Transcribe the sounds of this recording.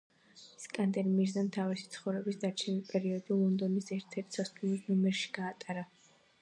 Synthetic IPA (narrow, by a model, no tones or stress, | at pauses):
skʼand̪ɛɾmiɾzant̪ʰavisi̥t̪sʰχɔvɾɛbisd̪at͡ʃʰɛnipʼɛɾiɔd̪ilˠɔnd̪ɔnisɛɾt̪ʰɛɾt̪ʰsast̪ulˠusnɔmɛɾʃi̥ɡ̥aːt̪ʼaɾa